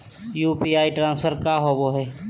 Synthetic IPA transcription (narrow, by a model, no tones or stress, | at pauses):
juːpiaːiʈɾãːnspʰəɾkaːɦoboːɦɛː